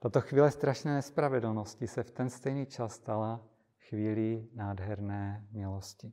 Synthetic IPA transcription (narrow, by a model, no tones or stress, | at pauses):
t̪at̪oxviːlɛst̪ɾaʃnɛːnɛspɾavɛdl̩noscɪsɛft̪ɛnst̪ɛjniːt͡ʃasːt̪ala | xviːlinaːdɦɛɾnɛːmɪloscɪ